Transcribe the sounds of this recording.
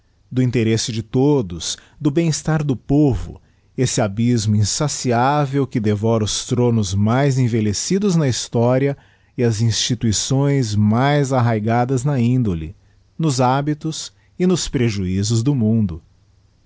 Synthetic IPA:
d̪ʊĩnt̪eɾesɪd͡ʒɪt̪od̪ʊs | d̪ʊbẽj̃ist̪aɾd̪ʊpovʊ̰ | esɪabizmʊĩsasiavewkɪd̪evɔɾɐʊst̪ɾõnʊzmajzẽvelesid̪ʊznɐist̪ɔɾiɐ | ɪɐzĩst͡ʃit̪uisõj̃zmajzaɦajɡad̪ɐznɐĩnd̪olɪ̰ | nʊzabit̪ʊs | ɪnʊspɾeʒuizʊzd̪ʊmũnd̪ʊ

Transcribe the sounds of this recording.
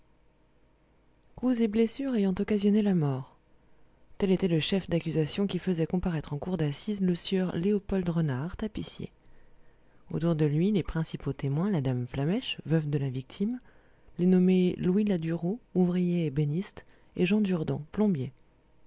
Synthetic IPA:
kuzeblesyʁejɑ̃t̪ɔkazjɔnelamɔʁ | t̪ɛlet̪ɛləʃɛfd̪akʲyzasjɔ̃kʲifəzɛkɔ̃paʁɛt̪χɑ̃kuʁd̪asizləsjœʁleopɔld̪ʁənaʁt̪apisjḛ | o̰t̪uʁd̪əlɥilepχɛ̃sipot̪emwɛ̃lad̪amflamɛʃvœvd̪əlavik̚t̪ʰim | lenɔmelwilad̪yʁouvʁijeːbenist̪ | eʒɑ̃d̪yʁd̪ɑ̃plɔ̃bje

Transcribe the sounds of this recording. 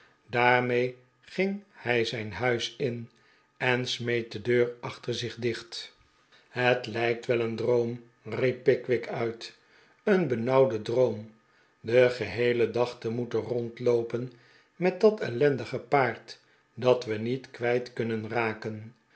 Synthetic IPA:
daːɹmej | χɪŋhɛjzɛjnɦœɥsɪn | ɛnsmejt̚dədøːrɑχtəɹzɪχdɪχt | hətlɛjk̚tʋɛləndrowm | ripːɪkʋɪkœɥt | ənbənɑwdədrowm | dəχəɦejlədɑχtəmutərɔntlowpən | mɛt̚dɑtɛlɛndəχəpaːɹt | dɑtʋənitkʋɛjtkɵnənraːkən

